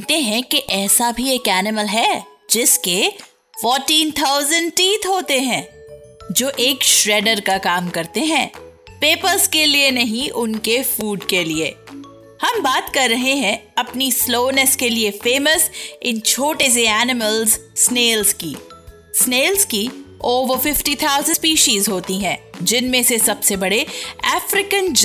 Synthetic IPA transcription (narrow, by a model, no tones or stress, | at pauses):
t̪eɦɛ̃keʔɛːsabʱieːkæːnɪməlɦɛd͡ʒɪske | fɔːɾʈiːnt̪ʰaːʊzə̃ɳɖ̚ʈiːt̪ʰɦoːt̪eɦɛ̃ː | d͡ʒoːʔeːkʃɾɛːɖəɾkakaːmkɐɾt̪eɦɛ̃ː | peːpəɾzkelienɐɦĩʔʊnkefuːɖkelieː | hɐmbaːt̪kɐɾːɐɦeɦɛ̃ɐpnisloːnəskeliefeːməsɪnt͡ʃʰoːʈes̬eæːnɪməlzsːneːlzkḭː | sneːlzkioːʋəɾfɪfʈit̪ʰaʊzə̃spiːʃiːzɦoːt̪iɦɛ̃ːd͡ʒɪnmẽsesɐbsebɐɽeɛːfɾɪkə̃nd͡ʒ